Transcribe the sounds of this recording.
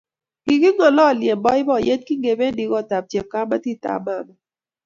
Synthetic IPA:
ɡ̥i˨ki˦ŋɔ˨lɔ˦˨lje˨mbɔ˦ɪ˦bɔ˦˨jɛ˦t̚ki˦ŋɡe˨be˦ndi˨ɡɔ˦˨ta˨p̚t͡ʃɛ˨kːa˦ma˦ti˦ta̰˨ma˦˨ma˦

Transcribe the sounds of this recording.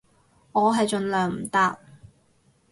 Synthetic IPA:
ŋɔː˨˧ɦɐ˨jt͡ʃɵ˨˧nlœː˨ŋm̩˨˩t̪aː˥t̚

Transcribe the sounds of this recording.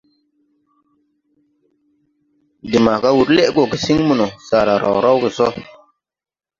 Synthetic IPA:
di˨ma˨ka˦wu˨ɾle˦ʔɡo˨ki˨si˦ŋmu˨no˨saː˨ɾa˨ɾa̰˨wɾa˦wke˨sɔ˦

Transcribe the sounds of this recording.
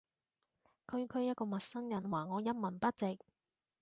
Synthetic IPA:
kʰɵ˧ɥkʰɵ˨˧ɥjɐ˥t̚kɔː˧mɐ˨t̚sɐ˥ŋjɐ˨˩nwaː˨˩ŋɔː˨˧jɐ˥mɐ˨˩npɐ˥t̚t͡sɪ˨k̚

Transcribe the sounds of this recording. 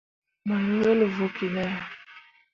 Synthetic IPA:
ma˨nu˨ɛ˦lvo˨ki˨nɛ˦˨

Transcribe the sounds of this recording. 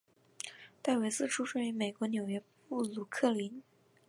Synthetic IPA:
t̪a˥˩ɪwe˧˥ɪt͡sɹ̩˥˩ʈ͡ʂʰu˥ʂwe˥˩y˧˥me˨˩ɪkwɔ˧˥njo˨˩ʊɥɛ˧˥ | u˥˩lu˨˩kʰɤ˥˩li˧˥n

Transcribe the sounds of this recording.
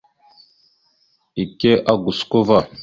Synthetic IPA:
i˨ke˦ʔa˦ɡu˨sko˦va˦˨

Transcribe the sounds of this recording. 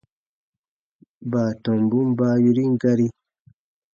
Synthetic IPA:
baː˨to˨mbu˦m˦ba˦ju˦ɾi˦ŋ˦ɡa˦ɾi˦

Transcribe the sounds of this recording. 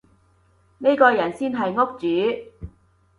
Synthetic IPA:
ne˥jkɔː˧jɐ˨˩nsiː˥nɦɐ˨jŋo˥k̚t͡syː˨˥˦

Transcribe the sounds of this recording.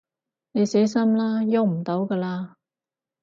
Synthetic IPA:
ne˨˧jsɛː˨˥sɐ˥mlaː˥jo˧˥wm̩˨˩t̪o˨˥wkɐː˧laː˧

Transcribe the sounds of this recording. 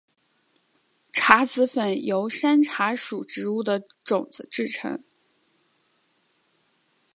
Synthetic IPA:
ʈ͡ʂʰa˧˥t͡sɹ̩˧˥fə˨˩njo˧˥ʊʂa˥nʈ͡ʂʰa˧˥ʂu˨˩ʈ͡ʂɻ̩˧˥u˥˩d̪ə˩ʈ͡ʂʊ˨˩ŋd͡z̩˧˦ʈ͡ʂɻ̩˥˩ʈ͡ʂʰɤ̰˧˥ŋ

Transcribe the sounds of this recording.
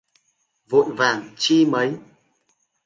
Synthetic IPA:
vṵ˧˨jvaː˨˩ŋt͡ɕi˧mə˨˦j

